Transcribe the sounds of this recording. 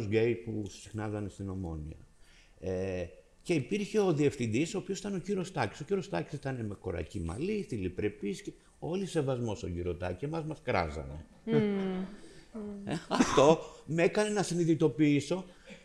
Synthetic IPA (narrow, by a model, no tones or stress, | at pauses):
zɡejpu̥sixnɐzɐnest̪ino̞mo̞̰nḭɐ̰ | e | ce̞ipiɾçe̞o̞ðie̞fθind̪isoːpiosit̪ɐnociɾo̞st̪ɐci̥sociɾo̞st̪ɐci̥si̥t̪ɐneme̞ko̞ɾɐ̰cimɐ̰liθilipɾe̞pisci | o̞lise̞vɐzmo̞st̪oʝiɾo̞t̪ɐ̰ciemɐzmɐskɾɐ̰zɐ̰ne̞̰ | eɐft̪o̞mekɐne̞nɐsiniðit̪o̞piiso̞